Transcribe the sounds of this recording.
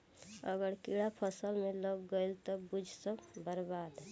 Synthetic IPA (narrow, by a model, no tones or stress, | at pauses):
əɡəɾkiɽapʰəsəlmẽlɔbɡəilt̪ɔbud͡ʒʱsəbəɾbaːd̪